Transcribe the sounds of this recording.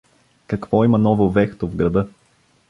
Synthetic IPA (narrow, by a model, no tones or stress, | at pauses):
kɐkvɔimɐnɔvovɛxt̪ovɡɾɐd̪ɤ